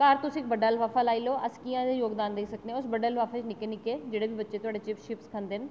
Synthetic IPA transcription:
kaːɾt̪ʊsĩk̚bɐɖaːlʋaːfalaːiloɐskijãd̪ejoːɡd̪aːnd̪eisɐkʰd̪ẽʊsbɐɖəlʋaːfet͡ʃnɪkenɪked͡ʒeːɽebʱibɐtːʃet̪ʊaːɽet͡ʃɪfʃɪpskʰɐ̃nd̪ɪn̆

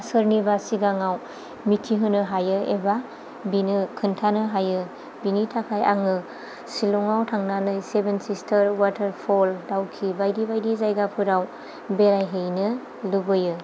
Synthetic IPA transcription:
sɯɾnibasiɡaŋaw | mitʰiɦɯnɯɦajɯeba | binɯkʰɯntʰanɯɦajɯ | binitʰakʰajʔa̰ŋɯ | siluŋawtʰaŋnanɯjsebensistʰəɾwatʰɐɾpʰoldawkʰibajdibajdizajɡapʰɯɾaw | beɾajɦejnɯ | lubɯjɯ

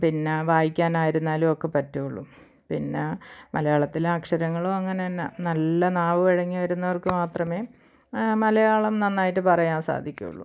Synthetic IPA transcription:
pinːeʋaːjikʲːaːnaːjiɾunːaːlumokːepɐtːuuɭːṵm | pinːemʔɐlɐjaːɭɐt̪ːilaːkʂɐɾɐŋːɐɭoɐŋːɐnenːɐnɐlːɐnaːʋɨeɻɐŋːiʋɐɾunːɐʋɐrkɨmaːt̪rɐme̞ː | mɐlɐjaːɭɐmnɐnːaːjiʈːɨpɐrɐjaːnsa̰ːd̪ʱikʲːṵṵɭːṵ

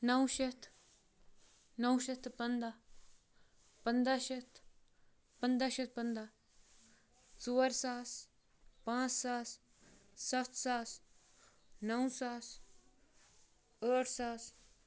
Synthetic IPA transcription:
nɐwʃet̪ʰ | nɐwʃɐt̪pənd̪a | pənd̪aʃɐt̪ʰ | pənd̪aʃɐt̪̚pənd̪a | t͡suːɾsaːs | pãːt͡ssaːs | sɐft̪ʰsaːs | nɐwsaːs | əːʈsaːs

